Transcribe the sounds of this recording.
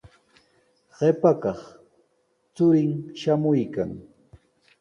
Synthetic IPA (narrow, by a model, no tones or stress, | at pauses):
ɢ̥epakɑχ | t͡sʊɾɪŋʃamʊjkaŋ